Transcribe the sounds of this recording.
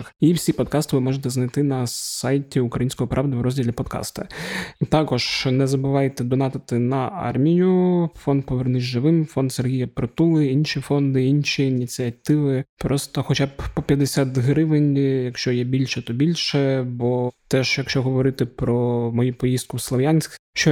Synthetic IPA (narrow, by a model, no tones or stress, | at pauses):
xiwsʲipɔd̪̚kɑst̪ɪʋɪmɔʒet̪ɛznɐjt̪ɪnɐsɑjtʲiʊkɾɐjinʲsʲkɔɔpɾʔɑʋd̪ɪʋɾɔzʲdʲilʲipɔd̪kɑ̰st̪ɐ̰t̪ɑkɔʒnɛzɐbʊʋɑjt̪ɛd̪ɔnɑt̪ɪt̪ɪnɐɑ̰rmʲijʊfɔnd̪̚pɔʋernɪzʲʒɪʋɪmfɔnd̪serɦʲijɐpɾɔt̪ulˠɪinʲʃʲifɔnd̪ɪinʲʃʲiːnʲit͡sʲiɐt̪ɪʋɪpɾɔst̪ɔxɔt͡ʃabpɔpʲjɐd̪esʲat̪ɦɾɪʋɪnʲjɐkʃt͡ʃɔjɛbʲilʲʃɛt̪ɔbʲilʲʃɛbɔt̪ɛʃjɐkʃt͡ʃɔɦɔʋɔɾɪt̪ɪpɾɔmɔjupɔjizst̪kʊwslˠɔʋjanʲsʲkʃt͡ʃɔ